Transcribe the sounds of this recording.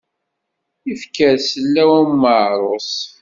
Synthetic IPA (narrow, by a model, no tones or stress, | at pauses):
ifkəɾsəlːæwæmːəʕɾˤos